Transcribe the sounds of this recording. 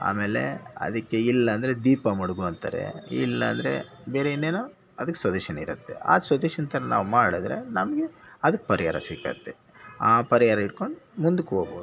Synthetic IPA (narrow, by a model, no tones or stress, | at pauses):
a̰ːme̞ːle̞̰ɐ̰d̪ɐkːe̞ilːɐːnd̪ɾe̞d̪iːpɐmɐɽuɡuɐnt̪ɐ̰ɾḛḭlːɐ̰ːnd̪ɐɾe̞̰ | beːɾeinːeːnoː | ɐd̪ɐkːesʋɐd̪uːʃɐnɐiɾɐt̪ːe̞̰a̰ːsʋɐd̪uːʃɐnɐt̪ɐɾɐna̰ːʋumaːɽid̪ɾe̞̰nɐmɐɡeɐd̪ɐkːe̥pɐɾijaːɾɐ̰sikːɐ̰t̪ːe | aːpɐɾijaːɾɐiʈ̚ko̞ɳɖumund̪ukːoːɡbo̰ːdu